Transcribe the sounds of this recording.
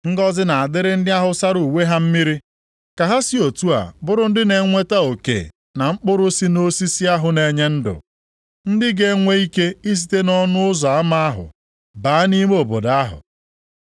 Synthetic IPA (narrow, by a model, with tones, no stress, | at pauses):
ŋ̩˦ɡɔ˦zɪ˦na˨a˨dɪ˦ɾɪ˦n̩˦dɪ˦a˦ɦʊ˨sa˦ɾu˨we˦ɦa˦m̩˦mi˦ɾi˦ | ka˨ɦa˦si˦o˨tu˦a̰˨bʊ˦ɾʊ˦n̩˦dɪ˦ne˨ŋʷe˦ta˦o˨kḛ˨ | na˨ŋ͡m̩˦k͡pʊ˦ɾʊ˦si˦no˦si˦si˦a˦ɦʊ˨ne˨ɲe˦n̩˦dʊ̰˨ | n̩˦dɪ˦ɡe˦ŋʷe˦i˦ke˦i˦s̬i̥˨te˦nɔ˦nʊ˦ʊ˦zɔ˨a˦ma˦a˦ɦʊ̰˨ | baː˨˦ni˦m˦o˨bo˨da˦ɦʊ̰˨